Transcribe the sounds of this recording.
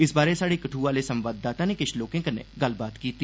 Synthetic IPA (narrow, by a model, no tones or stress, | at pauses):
ɪsbaːɾesaːɽekɐʈʰuʋaːlesɐ̃mʋaːd̪ːaːt̪anekɪʃʰloːkẽkənːḛɡɐlbaːt̪kiːt̪i